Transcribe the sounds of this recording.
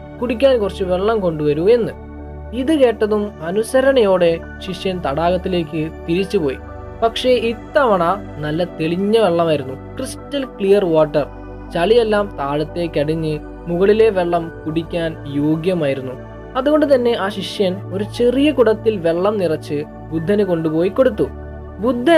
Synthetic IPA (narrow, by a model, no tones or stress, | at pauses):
kuɽik̬ʲːaːnkurɐt͡ɕːɨʋe̞ɭːɐmko̞ɳɖuʋɐɾue̞nːɨ | iðɨke̞ːʈːɐðumɐnusɐɾɐɳɐjo̞ːɽe̞ | ɕiʂjɐnt̪ɐɽaːɣɐt̪ːile̞ːkːɨt̪iɾit͡ɕːɨpo̞ːjḭ | pɐkʂe̞it̪ːɐʋɐɳaː | nɐlːɐt̪e̞ɭiɲːɐʋe̞ɭːɐmaːjiɾunːukristɐlkɭijɐrʋaːʈːɐr | t͡ɕɐɭije̞lːaːmt̪aːɻɐt̪ːe̞ːkʲːɐɽiɲːɨ | muɣɐɭile̞ʋe̞ɭːɐmkuɽikʲːaːnjoːɡjɐmaːjiɾunːu | ɐðuɣo̞ɳɖɨt̪̬ɐnːe̞ʔaːɕiʂjɐno̞ɾut͡ɕe̞rijɐkuɽɐt̪ːilʋe̞ɭːɐmnirɐt͡ɕːɨ | bud̪ʱːɐnɨko̞ɳɖupo̞ːjiko̞ɽut̪ːu | bud̪ʱːɐ